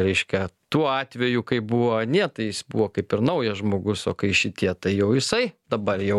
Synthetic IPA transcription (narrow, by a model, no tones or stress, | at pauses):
ɾʲɛɪʃʲkʲɛt̪uːɔɑːt̪ʲʋʲɛjukɐɪbuʋonʲiɛt̪ɐɪjɪsbuʋoːkɐɪpɪɾnɐʊjɛʒmoːɡʊsoːkɐɪʃʲɪt̪ʲiɛt̪ɐɪjɛʊjɪsɐɪd̪ɐbɐrjɛʊ